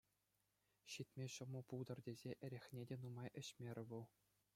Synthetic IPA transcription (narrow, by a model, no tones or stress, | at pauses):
ɕit̪ʲmʲeɕɤ̆mɤ̆pulˠd̪ɤ̆rdʲezʲeʔɘ̆ɾʲexʲnʲedʲenumɑjʔɘ̆ɕmʲeɾʲɘ̆ʋulˠ